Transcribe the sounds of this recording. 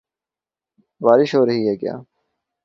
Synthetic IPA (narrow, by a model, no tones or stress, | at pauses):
baːɾɪʃɦoːɾɐɦiɦɛːkja̰ː